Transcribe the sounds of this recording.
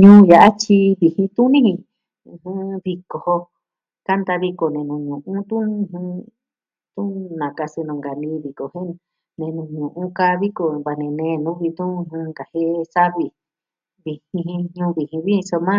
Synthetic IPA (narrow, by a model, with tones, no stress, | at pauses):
ɲũː˦ja˨ʔa˦t͡ʃi˧˦βi˨hĩ˧t̪ũ˦nĩ˦hĩ˧ | ũ˧˨hũ˦βi˧ko˨ho˧ | ka˦nd̪a˧βi˧ko˨nẽ˨nũ˨ɲũ˨ʔũ˦t̪ũ˦˧ɦũ˧ | t̪ũ˦nã˨ka˧sɨ˧nũ˨ŋɡa˨nĩ˧βi˨ko˨hẽ˦n | nẽ˨˧˨nũ˧ɲũ˨ʔũ˦ka˦˧βi˦ko˨βa˨nẽ˧nẽː˧nũ˨˦βi˧t̪ũ˦˧hũ˧ŋɡa˨he˦˧sa˦βi˧ | βi˧˨hĩ˧ɦĩ˧ɲũː˦βi˨hĩ˧βi˦ĩ˧so˧mã˦˧